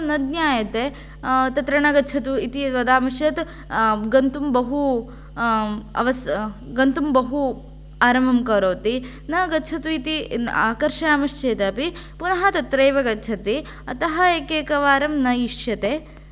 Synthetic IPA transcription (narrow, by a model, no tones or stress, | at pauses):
nɐd̪njaːjɐt̪e | t̪ɐt̪ɾɐɳɐɡɐtːt͡ʃʰɐt̪uit̪iʋɐd̪aːmɐʃjɐt̪ | ɡɐnt̪umbɐɦu | ɐ̰ʋɐsɡɐnt̪umbɐɦu | aːɾɐmɐmkɐɾoːt̪i | nɐɡɐtːt͡ʃʰɐt̪uit̪iaːkɐɾʃaːmɐʂt͡ʃeːt̪ɐɐpi | punɐɦɐt̪ɐt̪ɾɐjʋɐɡɐtːt͡ʃʰɐt̪i | ɐt̪ɐɦɐeːkeːkɐʋaːɾɐmnɐjiʂjɐt̪eː